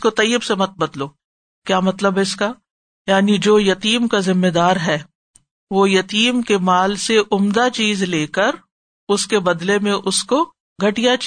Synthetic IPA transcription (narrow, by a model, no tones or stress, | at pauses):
kot̪ɐjəbsemɐt̪̚bɐd̪loː | kjaːmɐt̪ləbʱɦɛɪska | jaːnid͡ʒoːjɐt̪iːmkazɪmːed̪aːɾɦɛː | ʋoːjɐt̪iːmkemaːlseʔʊmd̪at͡ʃiːzleːkəɾ | ʊskebɐd̪lemẽʔʊsko | ɡʱɐʈijat͡ʃ